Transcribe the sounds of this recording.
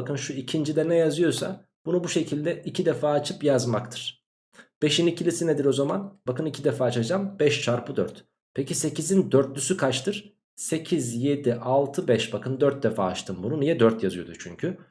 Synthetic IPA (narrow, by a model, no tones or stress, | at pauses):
akɯnʃuicʰind͡ʒid̪ɛnɛjazɯjo̞sa̰ | b̥unubuʃe̞cʰilʲd̪ɛicʰid̪ɛfaːt͡ʃʰɯpjazmakt̪ʰɯ̥ɾ̥ | b̥eʃinicʰilʲisined̪iɾo̞zamanbakɯnicʰid̪ɛfaːt͡ʃad͡ʒambɛʃt͡ʃʰaɾpɯd̪øɾt̪ | pʰecise̞cizind̪øɾt̪̚lʲysykʰat͡ʃt̪ʰɯɾ̥ | se̞cʰizje̞d̪iʔalˠt̪ʰɯbɛʃbakʰɯnd̪øɾt̪̚d̪efa̰ːt͡ʃt̪ʰɯmbununijɛd̪øɾt̪jazɯjo̞d̪ut͡ʃʰyɲcʰy